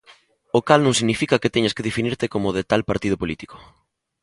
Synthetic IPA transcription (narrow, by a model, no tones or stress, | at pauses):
okalnõŋsiɣnifikɐket̪ɛɲaskeðefiniɾt̪ekomoðet̪alpaɾt̪ið̞ʊpolit̪i̥ko̥